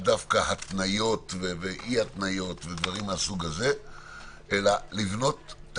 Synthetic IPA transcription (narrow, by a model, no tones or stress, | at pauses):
d̪afkahat̪najo̞t̪veveʔihat̪najo̞t̪ved̪vaʁimasuɡaze̞ | ʔelalivno̞t̪ː